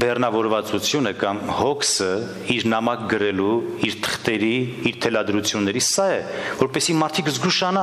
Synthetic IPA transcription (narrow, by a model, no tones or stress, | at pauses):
bɛrnɑvɔɾvɑt͡sut͡sʰjunəkɑmhɔkʰsə | iɾnɑmɑkɡəɾɛluiɾt̪ʰə̥χt̪ɛɾiiɾt̪ʰɛlɑd̪ɾut͡sʰjunːɛɾisːɑɛvɔɾpɛsimɑɾt̪ʰikzɡuʃɑnɑ